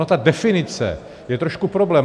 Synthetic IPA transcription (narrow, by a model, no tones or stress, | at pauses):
ot̪adɛfɪnɪt͡sɛ̰ | jɛt̪ɾoʃkupɾoblɛːm